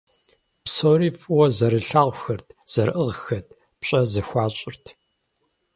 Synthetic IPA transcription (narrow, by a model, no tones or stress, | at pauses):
psoːɾiːfʼwɔzɐɾɨɬaːʁʷxɐrtʰz̥ɐɾʔɨʁxɐtʰ | pɕʼɐzɐxʷɑːɕʼɪrtʰ